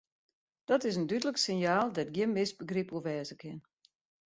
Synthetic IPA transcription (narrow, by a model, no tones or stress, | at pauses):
d̥ɔtɪs̬əndydələksɪnjaːlˠdɛtɡjɪənmɪsbəɡripuəʋɛːzəkʰɪn